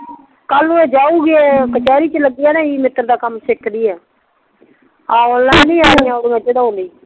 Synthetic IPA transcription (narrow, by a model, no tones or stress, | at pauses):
kəlnũːeːd͡ʒaːuːɡeːkət͡ʃaːɾiːt͡ʃələɡːijaːnãːiːmɪt̪ːəɾd̪aːkəmsɪkʰd̪iːɛː | ãːoːlːãːnĩːaːijãːoːɽiːəd͡ʒeːd̪aõːnd̪iː